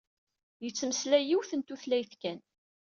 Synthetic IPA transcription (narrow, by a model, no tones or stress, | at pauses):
jət͡sːməslæjiwθənt̪uθlæjθkæn